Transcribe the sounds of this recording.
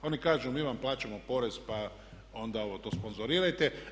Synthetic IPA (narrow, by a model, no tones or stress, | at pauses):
o̞nikaːʒumiːʋamplˠaːt͡ɕamo̞po̞ɾe̞zpa | o̞nd̪ao̞ʋot̪o̞ːspo̞nzoɾiːɾajt̪e